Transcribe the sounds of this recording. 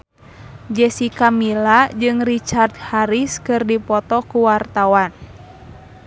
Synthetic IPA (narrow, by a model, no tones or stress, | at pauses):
d͡ʒɛsikamilad͡ʒɨŋrit͡ʃard̪̚haɾiskɨrdipɔt̪ɔkuwart̪awan